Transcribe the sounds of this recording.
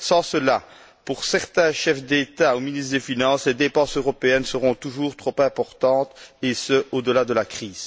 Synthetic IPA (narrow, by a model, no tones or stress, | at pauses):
sɑ̃səla | puʁsɛʁt̪ɛ̃ʃɛfd̪et̪aominist̪χd̪efinɑ̃sled̪epɑ̃søʁɔpeɛnsəʁɔ̃t̪uʒuːʁt̪χopɛ̃pɔʁt̪ɑ̃ːt̪esəʔod̪əlad̪əlakχiːz̥